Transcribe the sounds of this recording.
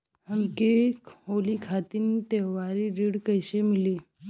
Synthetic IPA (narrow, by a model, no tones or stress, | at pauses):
ɦəmkekɦolikʰat̪init̪eʋaɾiɾiɽkəjɕemiliː